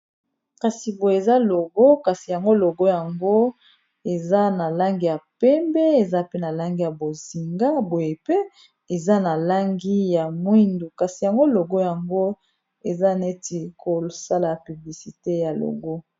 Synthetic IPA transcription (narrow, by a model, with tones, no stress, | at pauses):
ka˨si˨bo˨je˨za˦lo˨ɡo˦ka˨si˨ja˨ŋɡo˦lo˨ɡo˦ja˨ŋɡo˦ | e˨za˦na˨la˦ŋɡi˦˨ja˨pɛ˦mbɛ˦e˨za˦pe˦na˨la˦ŋɡi˦ja˨bo˨zi˨ŋɡa˦bo˨je˨pe˦ | e˨za˦na˨la˦ŋɡi˦ja˨mwi˦ndu˨ka˨si˨ja˨ŋɡo˦lo˨ɡo˦ja˨ŋɡo˦ | e˨za˦ne˦ti˨kʰo˨sa˦la˨py˨bli˨si˨te˦ja˨lo̰˨ɡo˦